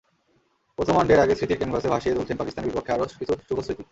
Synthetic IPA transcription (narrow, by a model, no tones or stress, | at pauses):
pɾot̪ʰomanɖeɾaɡesɾit̪iɾkeŋpasebʱaʃied̪ult͡ɕʰenpakist̪aneɾbipokʰːeaɾokit̪ot̪ːt͡ɕubosɾit̪i